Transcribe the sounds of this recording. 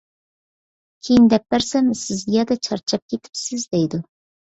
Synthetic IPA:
kʲʰejind̪ɛp̚ːæɾsɛmsɪzɡʲɛd̪ɛt͡ʃʰɑɾt͡ʃʰɑp̚kʲʰet̪ʰɪ̥psɪzd̪ejd̪u

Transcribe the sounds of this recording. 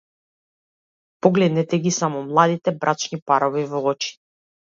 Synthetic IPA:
pɔɡlɛd̪nɛt̪ɛɡisamɔmlˠad̪it̪ɛbɾʔat͡ʃnipaɾɔvivɔɔt͡ʃi̥

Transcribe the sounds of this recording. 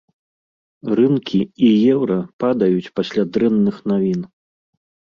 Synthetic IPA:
ɾɨnkʲiijɛwɾɐpad̪ɐjut͡sʲpasʲlʲad̪ɾɛnːɨxnavʲin

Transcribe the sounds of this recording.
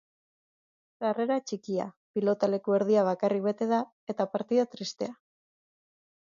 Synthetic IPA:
sare̞ɾat͡ʃikia̰ | pilo̞t̪ale̞kue̞ɾð̞iaβ̞akarik̚βe̞t̪e̞ða | e̞t̪apaɾt̪iðat̪ɾist̪e̞a

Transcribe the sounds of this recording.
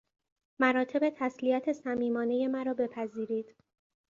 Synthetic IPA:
mæɾɒːt̪ʰe̞be̞t̪ʰæsliæt̪ʰe̞sæmiːmɒːne̞je̞mæɾɒːbe̞pʰæziːɾiːd̪̥

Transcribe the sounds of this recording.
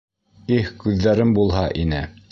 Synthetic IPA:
ihkʉðːæɾɘmbulˠɦɑʔinɘ

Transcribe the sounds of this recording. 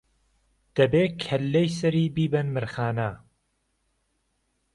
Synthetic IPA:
d̪̥ɐbeːkʰɐlːejsɐɾiːbiːbɐnmɨɾxaːnɐ

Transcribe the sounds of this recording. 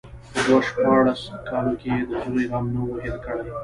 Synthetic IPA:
pəd̪waʃpɑɽaskɑlokeed̪əzuɾeɾɑmnowoɦelkəɽaj

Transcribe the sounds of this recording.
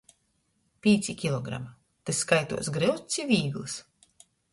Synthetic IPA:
pʲiːt̪sʲikʲilˠɔɡɾa̰ma | t̪eskajt̪ṵɔsɡɾɨwt̪sʲivʲiːɡlˠɨs

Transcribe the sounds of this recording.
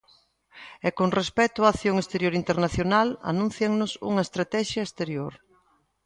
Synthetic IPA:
ekoŋrespɛt̪ʊaːθjoŋest̪eɾjoɾint̪eɾnaθjonala̰nũnθjaŋnʊsṵŋɐest̪ɾat̪ɛʃjɐest̪eɾjoɾ

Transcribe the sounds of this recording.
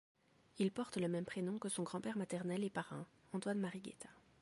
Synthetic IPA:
ilpɔʁt̪ləmɛmpχenɔ̃kəsɔ̃ɡʁɑ̃pɛʁmat̪ɛʁnɛlepaʁɛ̰̃ | ɑ̃t̪wanmaʁiɡʲḛt̪ḁ

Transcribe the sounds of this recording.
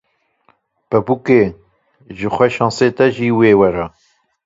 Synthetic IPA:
pɛbukeː | ʒɨxʷɛʃɑ̃ːnseːt̪ɛʒiːweːwɛɾɑ

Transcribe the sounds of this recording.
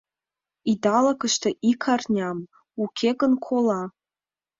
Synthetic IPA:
id̪ɑlɤ̆kəʃt̪ĕʔikʰɑrnʲɑm | ukʲʰeɣə̆nkʰolɑ

